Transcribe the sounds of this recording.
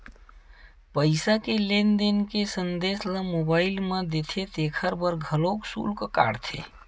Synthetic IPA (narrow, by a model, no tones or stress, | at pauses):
pəɪsakelend̪enkesənd̪esləmobailmed̪et̪ʰet̪ekʰəɾbəɾɡʱəloksṵlkəka̰ɽt̪ʰḛ